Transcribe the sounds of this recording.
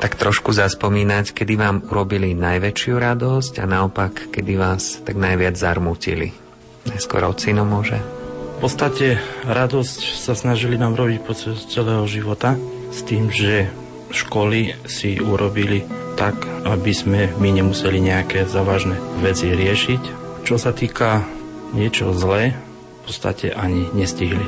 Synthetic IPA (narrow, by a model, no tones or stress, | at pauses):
t̪akt̪ɾɔʃkuzaspɔmiːnackɛd̪iʋaːmuɾɔbilinajʋɛt͡ʃɪuɾad̪ɔsca̰naɔpakːɛd̪iʋaːst̪aɡnajʋɪad͡zzaɾmucḭlḭ | ɲajskɔ̰ɾɔt͡sinɔmʊɔʒɛ̰fpɔt̪st̪acɛɾad̪ɔscsasnaʒilinaːmɾɔbicpɔt͡ʃɛst͡sɛlɛːɦɔʒiʋɔt̪a | st̪iːmʒɛ | ʃkɔlisiuɾɔbilit̪akabizmɛmiɲɛmusɛliɲɛakɛːzaːʋaːʒnɛʋɛt͡siɾɪɛʃict͡ʃɔsat̪iːka | ɲɪɛt͡ʃɔzlɛː | pɔ̥t̪st̪a̰cɛ̰ʔaɲiɲɛsciɦli